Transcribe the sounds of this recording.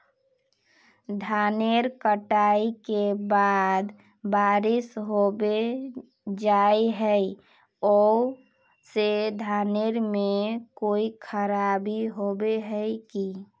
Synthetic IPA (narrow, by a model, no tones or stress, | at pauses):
d̪ʱaneɾkəʈaikebad̪ | baɾɪsɦobe | d͡ʒaiɦəi | ɔ | sed̪ʱaːneɾmekoikʰəɾabiɦobeɦəjki